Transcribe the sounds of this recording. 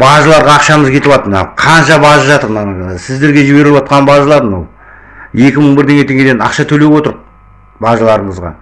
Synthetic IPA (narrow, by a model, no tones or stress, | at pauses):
bɑʒəlˠɑɾʁɑːqʃɑməzkʲʰe̞t̪ɪbˠɑt̪əmənɑ̰qʰɑnʃɑbɑʒəʒɑt̪əɾmɑsɪzd̪e̞ɾɡʲe̞ʒɪbe̞ɾɪlɪbwɑt̪̚qɑnbɑʒəlˠɑɾd̪ənɑ̰wˠ | je̞kʲɪməɴbɪɾd̪e̞ŋɡʲe̞t̪ʰe̞ŋɡʲed̪enɑ̰qʃɑt̪ʰɵle̞wo̞t̪əɾ | bɑʒəlˠɑɾəɴəzʁɑ̰